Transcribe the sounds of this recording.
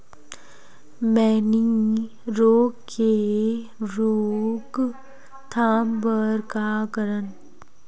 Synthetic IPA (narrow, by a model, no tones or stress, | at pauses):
mɛːni | ɾoːɡke | ɾoːɡ | t̪ʰaːmbəɾkakəɾən